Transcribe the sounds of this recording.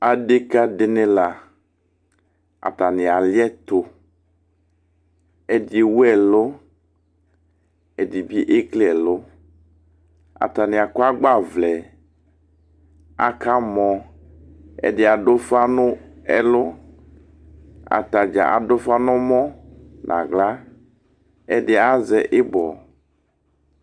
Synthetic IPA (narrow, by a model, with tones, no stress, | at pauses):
a˨ɖe˦ka˦de˦ne˦la˨ | a̰˨t̪a˨nɪ˨a˨li˦ɛ˦t̪o˨ | ɛ˨de˨wu˦ɛ˨lo˦ | ɛ˨di˨bi˦ʔe˦kle˦ɛ˨lo˦ | a̰˨t̪a˨nĩ˨a˨ko˦a˦ɡ͡ba˦˨vlɛ˨ | a̰˨ka˦mɔ̃˨ | ɛ̰˨ɖɪ˨a˨ɖo˦fa˦nʊ˦ɛ˨lo˦ | a̰˨t̪a˨d͡ʒa̰˨ʔa̰˨do˦fa˦nɔ˦mɔ̃˦nʔã̰˨ɡla˦ | ɛ˦ɖɪ˨a˦zɛ˨ʔe˦bɔ˨